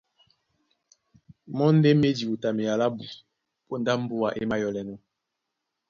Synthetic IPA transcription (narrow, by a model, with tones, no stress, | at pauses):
mɔ˦n˦de˦me˦di˨u˨ta˨me˨ja˨la˦bu˨ | po˦nda˦m̩˦bo˦a˨ʔe˦ma˦jɔ˨lɛ˨nɔ˦